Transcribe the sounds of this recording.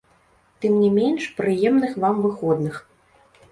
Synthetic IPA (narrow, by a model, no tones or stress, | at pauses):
t̪ɨmnʲimʲenʲʂpɾɨjɛmnɨxvamvɨxɔd̪nɨx